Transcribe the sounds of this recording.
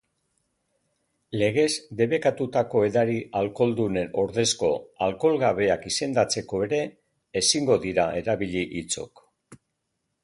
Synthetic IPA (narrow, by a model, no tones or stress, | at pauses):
le̞ɣ̞e̞zd̪e̞βe̞kat̪ut̪ako̞e̞ðaɾiʔalko̞ld̪une̞no̞ɾðe̞sko̞alko̞lɣaβe̞akise̞nd̪at͡se̞ko̞e̞ɾe̞ː | siŋɡo̞ðiɾae̞ɾaβiʎiʔit͡so̞̰k